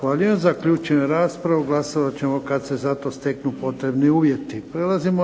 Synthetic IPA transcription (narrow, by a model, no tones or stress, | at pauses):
xʋaːʎiʋemzakʎuːt͡ʃenɾaːspɾaʋuɡlˠasoʋat͡ɕemokad̪sezat̪o̞st̪e̞knupo̞t̪ɾe̞bniuːʋje̞t̪ipɾelazimo